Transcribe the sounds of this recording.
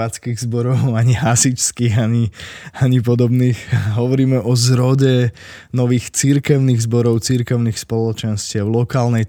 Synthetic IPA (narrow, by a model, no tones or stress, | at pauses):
aːt͡skiːɣzbɔɾɔʊaɲiɦasit͡ʃskiːɣaɲiaɲip̬ɔd̪ɔbniːxɦɔʋɔɾiːmɛʔɔzɾɔɟɛ | nɔʋiːxt͡siɾkɛʊniːɣzbɔɾɔʊt͡siɾkɛʊniːxspɔlɔt͡ʃɛnscɪalɔkaːlnɛj